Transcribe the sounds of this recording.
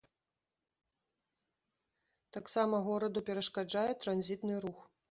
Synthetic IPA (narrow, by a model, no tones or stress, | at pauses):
t̪aksamɐɣɔɾɐd̪upʲɛɾɐʂkad͡ʐajɛt̪ɾanzʲit̪nɨɾux